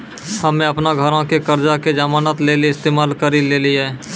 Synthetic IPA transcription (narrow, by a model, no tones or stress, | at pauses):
həmẽɐpnaɡʱəɾõkekəɾd͡ʒaked͡ʒamaːnat̪leːliɪst̪eːmaːlkəɾileliɦɛː